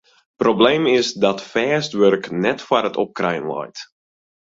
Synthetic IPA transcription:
probleːmɪsdɑtfɛːstʋørknɛtfaɾətɔp̚krɛjnlɔ̰jt

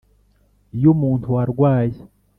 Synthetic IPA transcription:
jomuːntʰuaɾɡwaːje

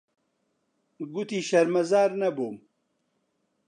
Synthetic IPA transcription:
ɡut̪iːʃɐɾmɐzaːɾnɐboːm

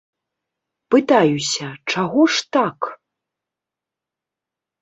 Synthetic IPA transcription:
pɨt̪ajusʲɐt͡ʂaɣɔʂt̪ak

